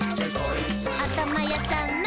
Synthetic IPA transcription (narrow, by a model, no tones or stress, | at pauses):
at̪amajat̪an